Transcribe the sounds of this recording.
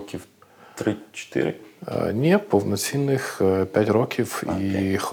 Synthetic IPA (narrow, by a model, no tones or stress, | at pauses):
kʲiw | t̪ɾɪt͡ʃɔ̥t̪ɪ̰ɾɪ̰nʲɛpɔwnɔt͡sʲinːɪxpʲjatʲrɔkʲʰiwḭx